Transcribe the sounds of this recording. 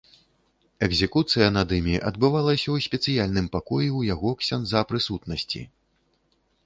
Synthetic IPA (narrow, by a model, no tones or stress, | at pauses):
ɛɡzʲɛkut̪sɨjɐnad̪ɨmʲiʔɐd̪̚bɨvalˠɐsʲɐwsʲpʲɛt̪sɨjalʲnɨmpakɔjiwjaɣɔksʲanzapɾɨsut̪nɐsʲt͡sʲḭ